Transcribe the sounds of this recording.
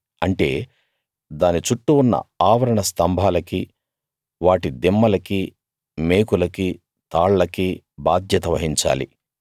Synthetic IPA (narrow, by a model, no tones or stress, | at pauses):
ɐɳʈe̞̰ː | d̪aːnit͡ʃuʈːuunːɐ̰aːʋɐɾɐɳɐst̪ɐmbʱaːlɐki | ʋaːʈid̪imːɐlɐki | me̞ːkulɐki | t̪aːɭːɐki | baːd̪ʱjɐt̪ɐʋɐɦiɲt͡ʃa̰ːlḭ